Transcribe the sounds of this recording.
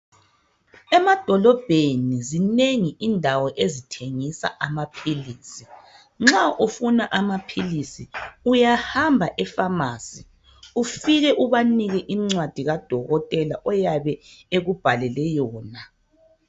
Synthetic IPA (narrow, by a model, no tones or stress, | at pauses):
ɛmad̥ʱɔlɔb̥ʱenizineŋiʔindʱawɔʔezitʰeŋisa̰ʔamapʰiliːsi | ŋ͡ǁaʔufunaʔamapʰilisiujahambʱaʔɛfamaːsi | ufiɣɛʔuβaniɣɛʔimŋ͡ǀwad̥ʱiɣad̥ʱɔɣɔtʼɛlaʔɔjaβɛeɣub̥ʱalɛlɛjɔːna